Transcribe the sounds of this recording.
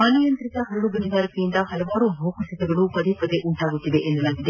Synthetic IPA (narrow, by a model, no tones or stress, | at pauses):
mɐːnujɐnt̪ɾit̪ɐɦɐɾɐɽubɐnd̪aːɾikejint̪ɐɦɐlɐʋaːɾubʱɐːkɐʃɐt̪ɛɡɐɭupɐd̪epɐd̪eʔuɳʈaːɡut̪ːid̪eʔend̪ɐlaːɡid̪e